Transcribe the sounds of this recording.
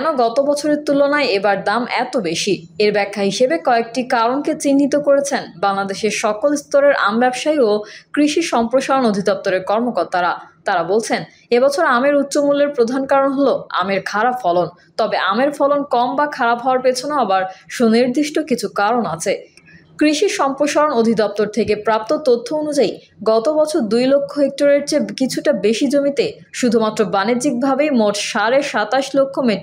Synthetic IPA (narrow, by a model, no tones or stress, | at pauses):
ɛnoɡɔt̪obɔt͡ɕʰoɾeɾt̪ulonaeebaɾd̪amɛt̪obeʃi | eɾbɛkʰːaɦiʃebekɔek̚ʈikaɾonket͡ɕinːit̪okoɾet͡ɕʰenbaŋlad̪eʃeɾʃɔkolust̪oɾeɾʔa̰mbɛbʃaiokɾiʃiʃɔmpɾoʃaonod̪ʱid̪ɔp̚t̪oɾeɾkɔɾmokɔɾt̪aɾat̪aɾabolt͡ɕʰen | ebɔt͡ɕʰoɾameɾut̪ːɕomulːeɾpɾod̪ʱankaɾonɦoloa̰meɾkʰaɾapfɔlon | t̪ɔbeʔameɾfɔlonkɔmbakʰaɾapɦɔaɾpet͡ɕʰonoabaɾʃoniɾd̪iʃʈokit͡ɕʰukaɾona̰t͡ɕʰekɾiʃiʃɔmpɾoʃaɾonod̪ʱid̪ɔp̚t̪oɾt̪ʰekepɾap̚t̪ot̪ot̪ʰːoonud͡ʑai | ɡɔt̪obɔt͡ɕʰoɾd̪ujlokʰːoek̚ʈoɾeɾd͡ʑekit͡ɕʰuʈabeʃid͡ʑomit̪e | ʃud̪ʱumat̪ːɾobanid͡ʑik̚bʱabejmoʈʃaɾeʃat̪aʃlokʰːomeʈ